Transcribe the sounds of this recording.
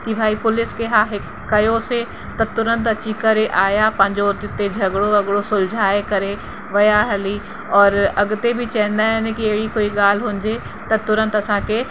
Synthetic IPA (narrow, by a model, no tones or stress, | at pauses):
kibʱaːipʊlɪskeɦaːɦe | kːɐjose | t̪ɐt̪ʊɾə̃nt̪ɐt͡ʃikɐɾeʔaːjapɐ̃ɲd͡ʒoːɾt̪ɪt̪ed͡ʒʱɐɡɽoɐɡɽosʊld͡ʒʱaːekɐɾe | ʋɐjaɦɐli | ɔːɾɐɡt̪ebʱit͡ʃɛ̃ːnd̪aɛːnekieːɽikoːiɡaːlɦõːnd͡ʒe | t̪ɐt̪ʊɾə̃nt̪ɐsãke